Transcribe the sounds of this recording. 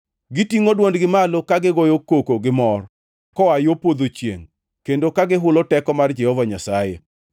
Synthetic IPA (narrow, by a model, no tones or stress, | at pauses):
ɡɪtiŋodwondɡɪmalokaɡɪɡɔjokːokoɡɪmɔr | kɔajopwod̪ot͡ʃjḛŋ | kendokaɡɪɦʊlɔtɛkɔmard͡ʒɛhɔvaɲasajḛ